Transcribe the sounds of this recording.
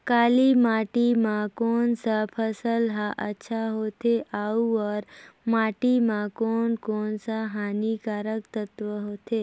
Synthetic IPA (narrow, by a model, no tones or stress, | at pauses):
kalimaʈimãkonsapʰəsəlɦaʔə̰tːʃʰaɦot̪ʰeʔauəɾmaʈimãkonkonsaɦanikaɾəkt̪ət̪ʋəɦot̪ʰe